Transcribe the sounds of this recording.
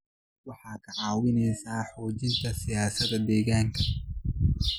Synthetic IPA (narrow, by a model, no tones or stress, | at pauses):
wɑħɑːkʰɐʕɑːwɪnɛjsaːħɔːt͡ʃɪnt̪ʰɐsɪjaːsɐd̪ɐd̪ɛːɣaːŋkʰɐ